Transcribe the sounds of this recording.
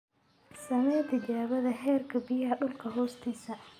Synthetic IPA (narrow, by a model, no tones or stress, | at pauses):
sɐnɛːt̪ʰɪt͡ʃaːβɐðɐɦɛːrkʰɐbɪjɐɦɐɖʊlkʰɐɦɔːst̪ʰiːsɐ